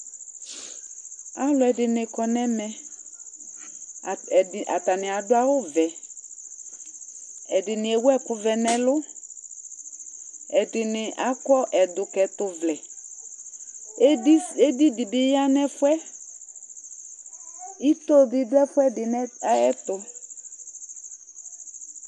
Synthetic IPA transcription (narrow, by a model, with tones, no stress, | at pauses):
a˦lʊ˨˦ɛ˨dɪ˨nɪ˨kɔ˨nɛ̃˦mɛ̃˨ | ɪ˨ʔa̰˨t̪a˨nɪ̃˨a˨dʊ˦a˦wʊ˦vɛ˨ | ɛ˨dɪ˨nɪ̃˨ɛ˨wʊ˦ɛ˦kʊ˨vɛ˨nɛ̃˨lʊ˦ | ɛ˨dɪ˨nɪ˨ʔa˨˦kɔ˦ʔɛ˨dʊ˨kɛ˨tʊ˨vlɛ˨˦ | e˦di˦dɪ˨bɪ˦ja˦nɛ̃˦fʊ˦ɛ˦ | i˦t̪o˦bɪ˨dʊ˦ɛ˦fʊ˦ɛ˦dɪ˨nɛ˦ɛ˦t̪ʊ˨